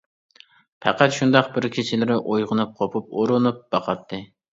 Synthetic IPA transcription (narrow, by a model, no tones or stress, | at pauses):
pʰæ̰qæt̪ʃund̪ɑqbɪɾkʲʰet͡ʃʰɪlɪɾɪʔojʁʊnup̚qʰopʰup̚oɾʊnup̚b̥ɑqʰɑt̪ʰːɨ